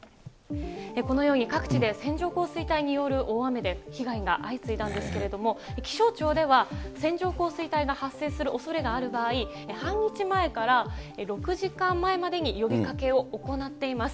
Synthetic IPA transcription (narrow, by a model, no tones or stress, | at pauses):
eko̞no̞jo̞ːɲ̟ikakɯ̟̥t͡ɕid̪e̞sẽ̞ɲ̟d͡ʑo̞ːko̞ːsɨit̪aiɲ̟ijo̞ɾɯ̟ʔoːame̞d̪e̞çiɡaiɡa̰ʔait͡sɨit̪ãnd̪e̞sɨ̥ke̞ɾe̞d̪o̞mo̞ekʲi̥ɕo̞ːt͡ɕo̞ːd̪e̞βasẽ̞ɲ̟d͡ʑo̞ːko̞ːsɨit̪aiɡahasːe̞ːsɨɾɯ̟ʔo̞so̞ɾe̞ɡaːɾɯ̟baːi | ehãɲɲit͡ɕimae̞kaɾaeɾo̞kɯ̟ʑikãmːae̞mad̪e̞ɲ̟ijo̞bʲikake̞o̞ːko̞nat̪ːe̞imasɨ̥